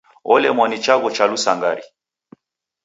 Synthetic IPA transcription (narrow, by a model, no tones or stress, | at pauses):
ɔlɛmwanit͡ʃaɣɔt͡ʃalusaŋɡaɾi